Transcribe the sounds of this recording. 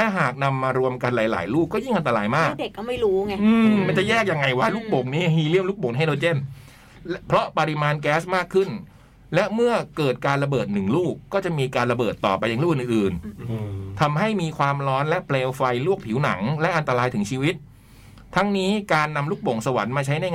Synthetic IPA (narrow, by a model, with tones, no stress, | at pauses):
lɛ˦˥ɦaː˨˩k̚na˧mːaː˧ɾu˧əmka˧nla̰ː˩˦jla̰ː˩˦jluː˥˩k̚ːɔː˥˩ji˥˩ŋʔa˧nt̪a˧ɾaː˧jmaː˥˩k̚de˨˩kːɔ˥˩ma˥˩jɾuː˦˥ŋɛ˧ʔɯː˧mma˧nt͡ɕa˨˩jɛː˥˩k̚ja˧ŋːa˧jwa˦˥˩luː˥˩k̚bo˨˩˦ŋniː˦˥aŋhiː˧li˥˩mluː˥˩k̚bo˨˩˦ŋn˧ɦa˥˩deː˧t͡ɕe˥˩n | pʰɾɔ˦˥pa˧ɾi˧maː˧nkɛː˦˥smaː˥˩kʰːɯ˥˩n | lɛ˦˥ʔmɯ˥˩ɐkɤː˨˩t̪̚kaː˧nɾa˧bɤː˨˩t̪̚nɯ˨˩ŋluː˥˩kːɔː˥˩t͡ɕa˨˩miː˧kaː˧nɾa˧bɤː˨˩t̪ːɔ̰ː˨˩pa˧ja˨ŋluː˥˩kʔʔɯː˨˩n | t̪ʰa˧mɦa˥˩jmiː˧kʰwaː˧mɾɔː˦˥nlɛ˦˥ʔpʰleː˧wfa˧jlu˥˩ək̚pʰi˩˦wna̰˩˦ŋlɛ˦˥ʔa˧nt̪a˧ɾaː˧jt̪ʰɯ˩˦ŋt͡ɕʰiː˧wi˦˥t̪̚ʰː | a˦˥ŋniː˦˥kaː˧nːa˧mluː˥˩k̚bo˨˩˦ŋsa˧wa̰˨˩˦nmaː˧t͡ɕʰa˦˥jna˥˩